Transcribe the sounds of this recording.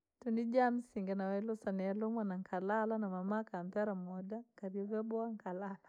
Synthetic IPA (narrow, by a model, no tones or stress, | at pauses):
tunid͡ʒam̩siŋɡanawɛlɔsanɛɛlɔmwanaŋkʰalalanamamakam̩pɛɾamɔdakaɾiɔvɛbɔaŋkʰalala